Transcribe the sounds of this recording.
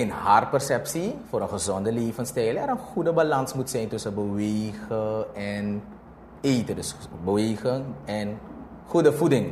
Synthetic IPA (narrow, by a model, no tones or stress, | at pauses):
ɪnhar̚pɛrsɛpsifoːɾənχəzɔndəleːvənstɛjlɛɾənχudəbalɑnsmutsɛjntɵsənbəʋeːɣəɛn | eːtədəsbəʋeːɣənɛn | χudəvudɪŋ